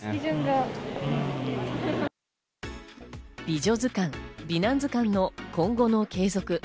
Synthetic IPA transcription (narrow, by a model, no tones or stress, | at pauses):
izɯ̃ŋɡa | b̥ʲiʑo̞zɨkãŋbʲinãnd͡zɨkãnːo̞kʰõ̞ŋɡo̞no̞kʰe̞ːzo̞kɯ̟